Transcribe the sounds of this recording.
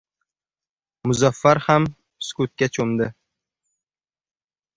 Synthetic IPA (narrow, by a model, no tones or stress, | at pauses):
mʊzafːaɾham | skʊt̪̚kʲat͡ʃʰomd̪ɪ